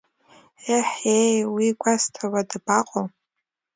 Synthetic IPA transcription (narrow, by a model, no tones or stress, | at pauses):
aħejwiɡʷʼastʰawadbaqʼo